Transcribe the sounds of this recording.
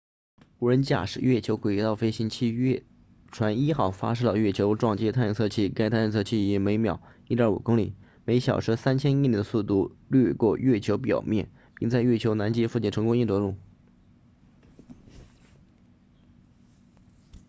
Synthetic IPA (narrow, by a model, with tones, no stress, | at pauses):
u˨˩ɻə˧˥nt͡ɕja̰˥˩ʂɻ̩˥˩ɥɛ˥˩t͡ɕʰjo˧˥ʊkwe˨˩˥t̪ɑ˥˩ʊfe˥ɪɕi˧˥nt͡ɕʰi˥˧ɥɛ˥˩ | ʈ͡ʂʰwa˧˥ni˥xɑ˥˩ʊfa̰˥ʂ̩˥t̪ɑ˧ɥɛ˥˩t͡ɕʰjo˧˥ʊʈ͡ʂwɑ˥˩ŋt͡ɕjɛ˥t̪ʰa˥˧n˧˥t͡sʰɤ˥˧t͡ɕʰi˥˩ka˥ɪt̪ʰa˥˧nɻə˥˧t͡sʰɤ˥˧t͡ɕʰi˥˩˧me˧˥ɪmjɑ̰˨˩˦ʊi˥˩ə˞˧˥u˨˩kʊ˥ŋli˨˩ | me˧˥ɪɕjɑ̰˨˩ʊʂ̩ʰ˥sa˥nt͡ɕʰjɛ˥ni˥˩li˨˧˩d̪ə˧su˥˧t̪u˥˩ly˥˧kwɔ˥˧ɥɛ˥˩t͡ɕʰjo˧˥ʊpjɑ̰˨˩ʊmjɛ̰˥˩n | pi˥˧ŋt͡sa˥˧ɪɥɛ˥˩t͡ɕʰjo˧˥ʊna˧˥nt͡ɕɛ˥fu˥˧t͡ɕi˥˩nʈ͡ʂʰɤ˧˥ŋkʊ˥ŋi˥˩nt̪wɔ˧˥lu˥˩ŋ